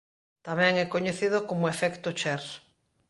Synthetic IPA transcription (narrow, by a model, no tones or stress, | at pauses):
t̪amɛ̃ŋɛkoɲeθiðokomoefɛkt̪ot͡ʃɛɾ